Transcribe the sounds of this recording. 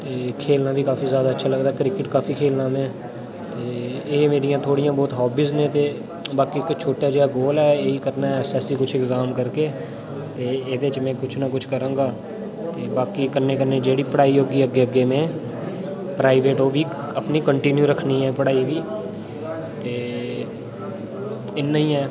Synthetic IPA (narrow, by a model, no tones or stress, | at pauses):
t̪eːkʰeːlnãːbiːkaːfiːzjaːd̪aːətːʃʰaːləɡd̪aːkɾɪkɪʈkaːfʰiːkʰeːlnãːmẽː | t̪eːeːmeːɾijãːt̪ʰoːɽɪjãːbɔːt̪ɦɔːbiːznẽːt̪eː | baːkiːkːt͡ʃʰoːʈaːd͡ʒeːaːɡoːlɛːeːiːkəɾnaːɛːsɛːsiːkʊt͡ʃʰɪkzaːmkəɾkeː | t̪eːeːd̪eːt͡ʃmɛ̃ːkʊt͡ʃʰnakʊt͡ʃʰkəɾãːŋɡaː | t̪eːbaːkiːkəɾnẽːkəɾneːd͡ʒeːɽiːpəɽaːiːɦoːɡiːəɡeːəɡːeːmẽː | pɾaːɪʋeːʈoːʋiː | əpniːkəɳʈɪnjuːɾəkʰːniːɦɛːpəɽaːiʋiː | t̪eː | ɪnːaːĩːɛː